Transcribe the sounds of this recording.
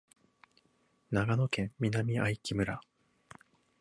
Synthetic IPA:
naɡano̞kẽ̞mmʲinamʲiaikʲimɯ̟ɾa

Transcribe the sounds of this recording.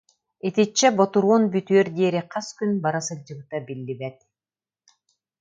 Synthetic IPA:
et̪it͡ɕːɛbot̪uɾunbyt̪yøɾd̪eːɾiqʰɑskynbaɾasɯd͡ʒɯlt̪abilːibɛt̪̚

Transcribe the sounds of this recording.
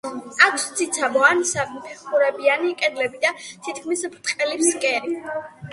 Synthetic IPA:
akʰst̪sʰit̪sʰabɔansabpʰɛχuɾɛbianikʼɛd̪lɛbid̪at̪ʰit̪ʰkʰmispʰɾt̪χʼɛlipskʼɛɾi

